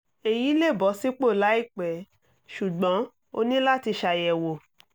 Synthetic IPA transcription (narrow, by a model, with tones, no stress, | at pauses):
e˨ji˨˦le˦˨bɔ˨˦si˦k͡po˦˨la˨˦i˦˨k͡pɛ˨˦ | ʃu˨ɡ͡bɔ̃˨˦ | o˧nĩ˦la˦ti˧ʃa˨jɛ˨wo˨